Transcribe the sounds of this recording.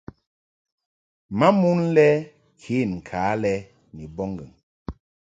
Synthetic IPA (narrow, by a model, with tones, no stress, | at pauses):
ma˦mu˦n˦lɛ˦ | kʰe˨˦˨n̩˨kʰaː˨˦lɛ˦ | ni˨bɔ˦ŋɡə˨ŋ